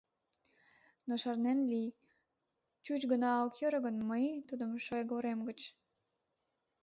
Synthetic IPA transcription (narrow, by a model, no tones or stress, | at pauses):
noʃɑrnenli | t͡ɕut͡ɕɡənɑokjøɾəɣənməjt̪ud̪ə̆mʃojɡoɾemɡət͡ɕ